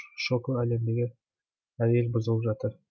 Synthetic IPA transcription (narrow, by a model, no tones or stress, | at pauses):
ʃoklˠælemd̪eɡʲɪ | æɾelbʊzɤlˠəpʒɑt̪əɾ